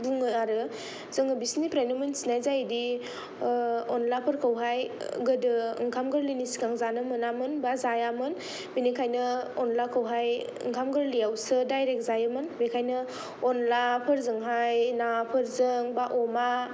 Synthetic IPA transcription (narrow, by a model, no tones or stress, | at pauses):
dɯŋɯjaɾɯ | zɯŋɯbisnipʰɾajnɯmɯnsinajzajdi | ɔnlapʰɯɾkʰəwɦajɡɯdɯ̰ŋkʰamɡɯɾlinisi̥ɡaŋzanɯmɯnamɯnbazajamɯn | binikʰajnɯɔnlakʰɯwɦaj | ɯ̰ŋkʰamɡɯɾlijawsɯdajɾek̚zajamɯnbekʰajnɯ | onlapʰɯɾzɯŋɦajnapʰɯɾzɯŋbaʔoma